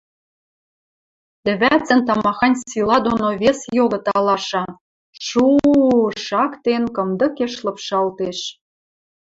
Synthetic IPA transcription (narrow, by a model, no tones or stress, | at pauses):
t̪ɘ̆βæt͡sɘ̆nt̪ɑmɑxɑnʲsilɑd̪onoβesjoɣɤ̆t̪ɑlɑʃɑ | ʃu | ʃɑkt̪enkɤ̆md̪ɤ̆keʃlɤ̆pʃɑlt̪eʃ